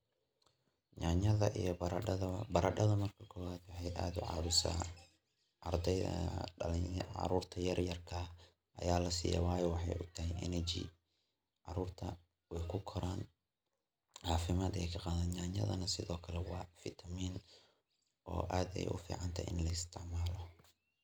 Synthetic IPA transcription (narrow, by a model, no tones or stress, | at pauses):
ɲaɲɐðɐʔijɔbbɐɾɐɖɐðɐmɐrkʰɐ̥kʰɔːwaːd̪wɑħɑjʔaːd̪ʊʕɑ̰ːβʊsa̰ː | ʔɐrd̪ɛjðɐ̰ɐlɪʕɑ̰ɾuːrt̪ʰɐjɐrjɐrkʰɐ | ʔɐ̰jaːlɐsḭːjɐ̰wɑːjɔwɑħɑ̰jʔʊt̪ʰɐɦɛjʔɛ̰nɛt͡ʃḭ | ʕɑɾuːrt̪ʰɐ | wɛjkʰʊkʰɔɾʔaːn | ʕɑːfɪmaːd̪ɛjkʰɐqɑːðɐaːɲɐ̰ðɐ̰nɐsɪðɔːkʰɐlɛwɑːfɪt̪ʰɐmiːn | ʔɔ̰ːʔaːd̪ɛ̰jʔʊ̰fḭːʕɑnt̪ʰɐ̰ɪ̰nlɐɪst̪ʰɪʕmaːlɔ